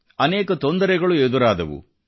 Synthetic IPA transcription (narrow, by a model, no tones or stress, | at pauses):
ɐnɛːkɐt̪ond̪ɐɾɛɡɐɭued̪uɾaːd̪ɐ̰ʋṵ